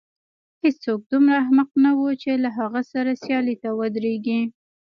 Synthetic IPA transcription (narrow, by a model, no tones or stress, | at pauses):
het͡st͡sok̚d̪umɾaɦmaqnawut͡ʃelaɦaɣasaɾasjɑlit̪awəd̪ɾeɡi